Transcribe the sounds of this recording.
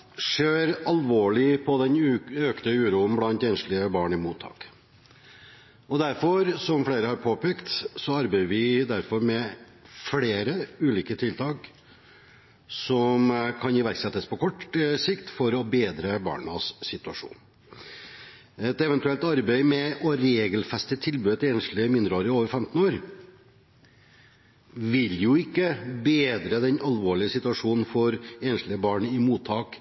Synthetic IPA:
ʂeːɾɑlʋoːɭɪpʰɔd̪ɛnøkt̪əʉːɾuːn̩blɑnt̪ɛːnʂlɪəbɑːɳɪmuːt̪ʰːɑ̰ːk | ɔd̪æɾfɔɾsɔmfleːɾəhɑɾpʰoːpɛːkt̪sɔɑɾbæɪəɾʋɪd̪æɾfɔɾmɛ | fleːɾəʉːliːkət̪ʰɪlt̪ʰɑːk | sɔmkʰɑnɪʋæɾksɛt̪ːəspʰɔkʰɔʈsɪkt̪fɔɾɔbeːd̪ɾəbɑ̰ːɳəsːɪt̪ʉɑʂṵːn | ɛt̪ɛʋɛnt̪ʉɛlt̪ɑɾbæɪmɛʔɔɾeːɡəlfɛst̪ət̪ʰɪlbʉːət̪eːnʂlɪəmɪnd̪ɾəoːɾəɪoːʋəɾfɛmt̪n̩oːɾ | ʋɪljʊɪkːəbeːd̪ɾəd̪ɛnɑlʋoːɭɪəsɪt̪ʉɑʂuːnn̩fɔɾeːnʂlɪəbɑːɳɪmuːt̪ʰːɑːk

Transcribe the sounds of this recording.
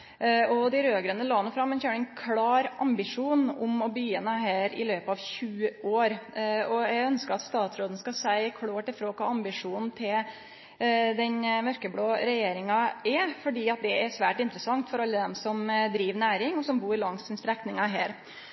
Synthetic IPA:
ɔd̪ɪɾøːɡɾənːəlɑːnəfɾɑmːɛnçøːɳɪnkʰlɑːɾɑmbɪʂuːnʊmɔbyːənəɦæːɾɪ̰løːpɑʋɕʉːəoːɾɔjɛɡœnskəɾɑt̪st̪ɑːt̪sɾoːd̪n̩skɑsæɪkʰɽoːʈɪfɾoːkʰɑ̰ːɑmbɪʂuːnn̩t̪ʰɪl | d̪ɛnmœɾkəbloːɾɛjeːɾɪŋɑɛfɔɖiːɑt̪̚d̪ɛæɾʂʋæːʈɪnt̪ɾəsɑŋt̪fɔɾɑlːəd̪ɛmsɔmd̪ɾiːʋnæːɾɪŋɔsɔmbuːɾlɑŋsɪnst̪ɾɛknɪŋɑɦæːɾ

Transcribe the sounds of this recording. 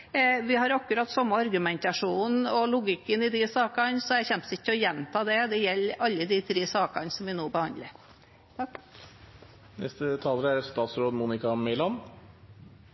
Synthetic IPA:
ʋɪɦɑɾɑkʉɾɑt̪ːsɑmːəɑɾɡʉmɛnt̪ɑʂuːn̩ɔlʊɡɪkːənɪd̪ɪsɑːkɑnsɔæçɛnpsɪt̪ːəɔjɛnt̪ʰɑːd̪ɛd̪ɛjɛlːɑlːəd̪it̪ʰɾeːsɑːkɑnsɔmʋɪnoːbəhɑnd̪lə | t̪ʰɑk | nɛ̰st̪ət̪ʰɑːləɾæɾst̪ɑːt̪sɾoːd̪muːnɪkɑmɛɪlɑn

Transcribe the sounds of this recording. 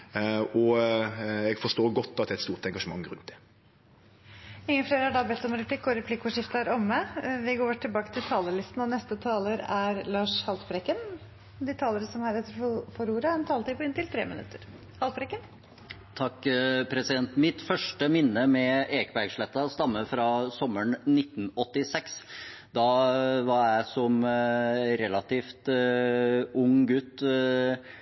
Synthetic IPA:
ɔ | ɛɡfɔʂt̪oːɡɔt̪ːɑt̪d̪ɛt̪st̪uːʁt̪ɛŋɡɑʂəmɑ̰ŋːɾʉ̰nt̪̚d̪ɛ̥ | ɪŋːəfleːɾəhɑɖɑbɛt̪ːɔmɾɛpʰlɪkːɔɾɛpʰlɪkːɔʂɪft̪əæɾɔmːəʋɪɡoːʈʰɪlbɑːkə̥t̪ʰɪlt̪ʰɑːləlɪst̪n̩ɑnɛst̪ət̪ʰɑːləɾæɾlɑːʂhɑlt̪bɾɛkən | d̪ɪt̪ʰɑːləɾəsɔmhæɾɛt̪ːəɾfɔfɔɾuːɾəɛnt̪ʰɑːlət̪iːpʰɔɪnt̪ɪlt̪ʰɾḛːmɪ̰nʉ̰t̪ʰːəɾ | hɑlfɾɛkən | t̪ʰɑkːpʰɾɛsɪd̪ɛnt̪mɪt̪fœʂʈəmɪnːəmɛeːkəbæɾɡʂɭɛt̪ːɑst̪ɑmːəfɾɑsɔmːəɳnɪt̪ːn̩ɔt̪ːɪsɛks | d̪ɑʋɑɾjæɪsɔm | ɾɛlɑt̪iːft̪ | ʊŋɡʉt̪ː

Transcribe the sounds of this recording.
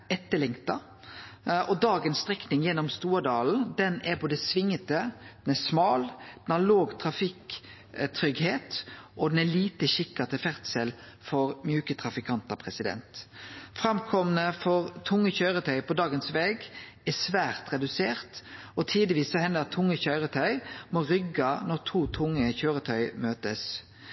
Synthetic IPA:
ɛt̪ːəlɪŋt̪ɑ | ʔɔd̪ɑːɡənst̪ʁɛknɪŋjɛnːɔmst̪uːɾd̪ɑːln̩d̪ɛnæɾpɔd̪ɛsʋɪŋːət̪əd̪ɛnæsmɑːld̪̥ɛnhɑloːɡt̪ʰʁɑfɪk | t̪ʰɾʏɡheːt̪ʔɔd̪ɛnæliːt̪əʃɪkːɑt̪əfæʁt̪səl | fɔɾmjʉːkət̪ʰʁɑfɪkʰɑnt̪ɑpʰʁɛsɪd̪ɛ̰nt̪fʁɑmkʰɔmənəfɔʁt̪ʰʊŋːəçœʏɾət̪ʰœʏpʰɔd̪ɑːɡənsʋɛːɡ | æsʋæːʁt̪ʁɛd̪ʉseːʁt̪ | ɔt̪ʰiːd̪əʋiːsːɔhɛnd̪ət̪ʰːʊŋːəçœʏʁət̪ʰœʏmɔʁʏɡɑnɔʁt̪ʰuːt̪ʰʊŋːəçøːɾət̪ʰœʏmøːt̪əs

